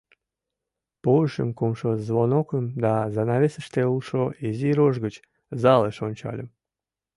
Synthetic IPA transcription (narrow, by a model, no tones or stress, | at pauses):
poʃə̰mkumʃozβonokəmd̪ɑzɑnɑβesə̥ʃt̪eulʃoeziɾoʒɣət͡ɕ | zɑleʃonʲt͡ɕɑ̰lʲə̰m